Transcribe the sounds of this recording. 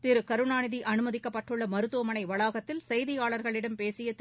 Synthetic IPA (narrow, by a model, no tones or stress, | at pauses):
t̪ɪɾɯkɐɾɯnaːnɪðiʔɐnɯmɐðɪkːɐpːɐʈːɯɭːɐmɐɾɯt̪ːoːmɐnɐɪʋɐɭaːɣɐt̪ːɪlsɐjðɪjaːɭɐɾɣɐɭɪɽɐmpeːsɪjɐt̪ː